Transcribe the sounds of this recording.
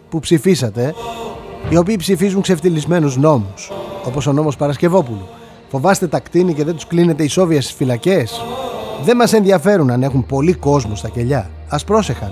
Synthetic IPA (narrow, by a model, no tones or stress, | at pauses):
pupsifisɐt̪e̞ | io̞p̬iːpsifizuŋkse̞ft̪ilizme̞nuzno̞muso̞po̞so̞no̞mo̞spɐɾɐsce̞vo̞pulu | fo̞vɐst̪e̞t̪ɐkt̪inice̞ðet̪u̥skline̞t̪eiso̞viɐst̪i̥sfilɐce̞sðe̞mɐse̞nðiɐfe̞ɾunɐne̞xumpo̞liko̞zmost̪ɐce̞ʎɐ | ɐspɾo̞se̞xɐ̰n